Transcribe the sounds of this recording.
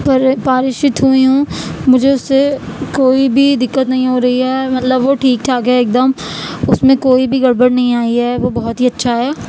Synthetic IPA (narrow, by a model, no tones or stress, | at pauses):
pɐɾpaːɾɪʃɪt̪ɦuiɦũːmʊd͡ʒʱeʊsːekoːibʱid̪ɪkːət̪nɐɦĩɦoːɾɐɦiɦɛːmɐt̪ləbʋoʈʰiːk̚ʈʰaːkaeːk̚d̪əmʊsmẽkoːibʱiɡɐɽbəɽnɐɦĩaːiɦɛːʋoːbɐɦʊt̪ɦiɐtːʃʰaɦɛː